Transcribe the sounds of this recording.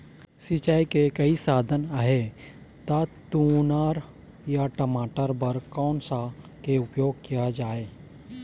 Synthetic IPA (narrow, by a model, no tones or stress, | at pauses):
sit͡ʃaːikekɐisaːd̪ʱənaɦe | t̪at̪unaːɾ | jaʈəmaːʈəɾbəɾkɔːnsa | keʊpjoːɡ̚kijad͡ʒaːeː